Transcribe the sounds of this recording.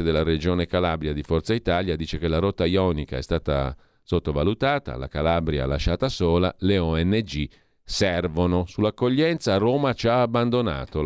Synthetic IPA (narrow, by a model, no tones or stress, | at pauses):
ed̪elːaɾed͡ʒoːnekalabɾjad̪ifɔrt̪sait̪aːljad̪iːt͡ʃekelaɾɔt̪ːajɔnikaɛ̰st̪aːt̪a̰ | sot̪ːovalut̪aːt̪a̰la̰kalabɾja̰laʃːaːt̪asoːla̰leɔɛnːed͡ʒi | sɛrvonosulːakːoʎːɛnt̪saːroːmat͡ʃaːbːand̪ona̰ːt̪o